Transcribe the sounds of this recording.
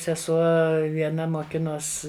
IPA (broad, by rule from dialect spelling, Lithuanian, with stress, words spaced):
sʲɛˈsuɔ ʋʲiɛˈnɐ moːˈkʲɪnoːs